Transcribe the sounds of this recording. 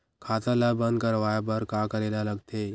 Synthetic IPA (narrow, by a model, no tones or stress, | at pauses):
kʰaːt̪ãlabə̃nd̪̚kəɾʋaːjabəɾkaːkəɾeːlalɐɡt̪eː